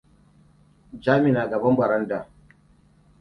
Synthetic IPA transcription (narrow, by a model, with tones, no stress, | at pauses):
d͡ʒaː˦mɪ˨naː˨ɡɐ˨bɐ˦mbɐ˨ɾɐ˦ndaː˨